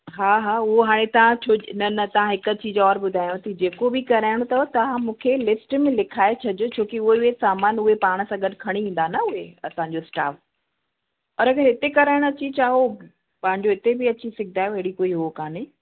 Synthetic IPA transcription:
ɦaːɦaːʊɦoɦaːɽ̃ẽt̪ɐʋ̤ãt͡ɕʰoːnɐnɐt̪ɐʋ̤ãɦɪkət͡ɕiːzɔːɾbʊd̪ʱaːjõt̪ʰɐd͡ʑeːkobɪkɐɾaːɪɽ̃ot̪ɐot̪ɐʋ̤ãmũːkʰelɪsʈmẽlɪkʰaːet͡ɕʰɐd͡ʑot͡ɕʰoːkiʊɦeʊɦesaːmaːnʊɦepaːɽ̃̆sãɡɐɗkʰɐɽ̃iĩːn̆d̪anɐʊɦeɐsãːɲ̆d͡ʑoɪsʈa̰ːf | ɔːɾɐɡəɾɦɪt̪ekɐɾaːɪɽ̃ɐt͡ɕit͡ɕaːɦo | pãːɦɪ̃ɲd͡ʑoɪt̪ebɪɐt͡ɕisɪɡ̚ʱd̪aːjoeɽikoːiɦuokaːnɪ

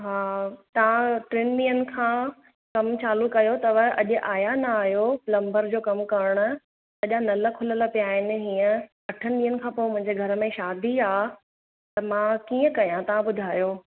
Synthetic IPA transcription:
ɦaːt̪ɐʋãʈɾɪnɗiːənɪ̆kʰãː | kɐmt͡ɕaːlukɐjot̪ɐʋəʔɐʄʊ̆ʔaːjanɐaːɦjoflɐ̃mbəɾd͡ʑoːkɐmkɐɾəɽ̃ʊ̆ | ɐʄanɐlə̆kʰʊlələpijaːɦɪnɪ̆ɦiːə̃ | ɐʈʰənɪɗiːənɪ̆kʰãːpoːɪmʊ̃ɦɪ̃ɲd͡ʑeɡʱɐɾəmẽʃaːd̪ʱiaː | t̪ɐmãːkiːə̃kɐjãt̪ɐʋ̤ãɓʊd̪ʱaːjoː

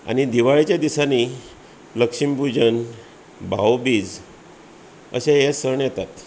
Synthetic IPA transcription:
a̰ɽ̃id̪iʋaɭit͡ɕjad̪isani | ləkʂimpud͡ʑən | bʱawbiːd͡z | ə̰ɕajɛsəɾɳjɛt̪at̪

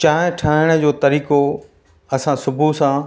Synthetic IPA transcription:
t͡ɕãːɦɪ̃ʈʰaːɪɽ̃ə̆d͡ʑoːt̪ɐɾiːko | ɐsãsʊbʱusã

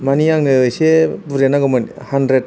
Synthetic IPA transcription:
maniaŋnɯɯjsebuɾenaɡɯmɯnhandɾet̚

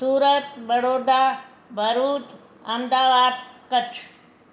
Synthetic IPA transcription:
suːɾət̪ʋəɽoːd̪aː | bʱəɾuːt̪ | ɐmd̪aːʋaːd̪kət͡ʃʰ

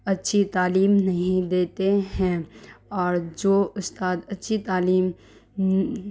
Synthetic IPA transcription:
ɐtːʃʰit̪aːliːmnɐɦĩd̪eːt̪eɦɛ̃ɔːɾd͡ʒoːʊst̪aːd̪ɐtːʃʰit̪aːliːm

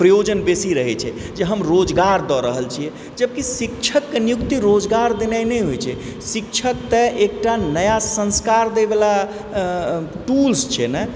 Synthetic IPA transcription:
pɾəjod͡ʒənbesiɾəɦɛt͡ʃʰɛ | d͡ʒeɦəmɾod͡ʒɡaɾd̪ɔɾəɦəlt͡ʃʰiɛ | d͡ʒəb̚kisikt͡ʃʰəkːenijukt̪iɾod͡ʒɡaɾd̪enajnɛjɦojt͡ʃʰɛ | sik̚t͡ʃʰək̚t̪əʔek̚ʈanəjasə̃nskaɾd̪ebela | ʈulst͡ʃʰɛnɛ

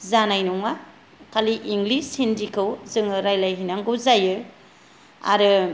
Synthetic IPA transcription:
zanajnɔŋa | kʰaliʔiŋɡlisindikʰɯwzɯŋɯɾajlajɦinaŋɡɯzajɯ | a̰ɾɯ

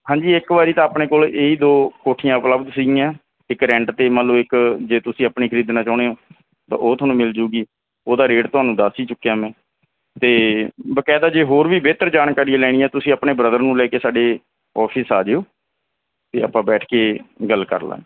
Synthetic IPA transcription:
hãːɲd͡ʒiːɪkʋaːɾiːt̪ãːəpɳeːkoːleːiːd̪oːkoːʈʰijãːʊpləbd̪siːɡiːjãː | ɪkɾɛ̃ːɳʈt̪eːmələʋɪkd͡ʒeːt̪ʊsĩːəpɳiːkʰəɾiːd̪naːt͡ʃɔːɽeːɦoː | t̪ã̰ːʔoːt̪oʊɦaːnũːmɪld͡ʒuːɡiː | oːd̪aːɾeːɖt̪ʊɦaːnũːd̪aːsiːt͡ʃʊkːejaːmɛ̃ː | t̪eːbəkɛːd̪aːd͡ʒeːɦoːɾʋiːbeːt̪əɾd͡ʒaːnkaːɾielɛːɽ̃iːɛːt̪ʊsĩːəpɳeːbɾəd̪əɾnũːlɛːkeːsaːɖeː | ɔːpʰɪsaːd͡ʒeːoː | t̪eːə̰pːãːbɛːʈʰkeːɡəlːkə̰ɾla̰ː

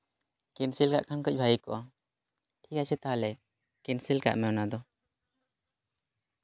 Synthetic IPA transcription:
kinsilka̰ʔkʰankəc̚bʱajikɔʔa | ʈʰikat͡ʃʰɛt̪aɦalɛ | kinsilka̰ʔmɛwnad̪ɔ

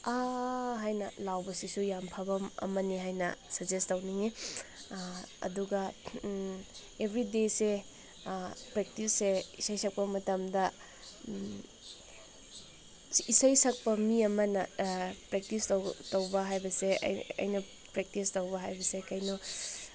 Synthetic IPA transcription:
aɦajnɐlawbɐsisujampʰabɐmɐ̰mɐniɦajnɐsɐzestɐwniŋi | ɐ̰duɡɐ | ebʱɾidese | pɾek̚tisːeisajsʰɐk̚pɐmɐtɐmdɐ | isajsɐk̚pɐmiɐmɐnɐpɾek̚tistowtowbɐɦajbɐseɐ̰jɐ̰jnɐ | pɾek̚tistɐwbɐɦajbɐsekajnu

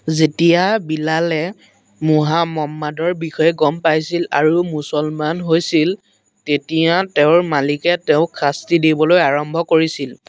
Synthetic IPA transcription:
zetijabilalɛ | muɦamɔmːadɔɹbixɔjɛɡɔmpajsila̰ɹumusɔlmanɦojsil | tetijateʊɹmalikɛteʊ̃kʰastidibɔlojaɹɔmbʱɔkoɹisil

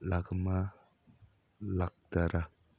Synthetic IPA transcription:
laɡəma | lak̚taɾa

